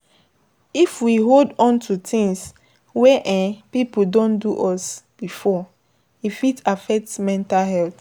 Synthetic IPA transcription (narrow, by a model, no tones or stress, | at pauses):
ifwiɦoldɔ̃ntʰutʰĩŋs | wɛʔɛ̃pipudõnduʔɔsb̥ifɔ | ifitafɛk̚tmɛ̃ntalɦɛlt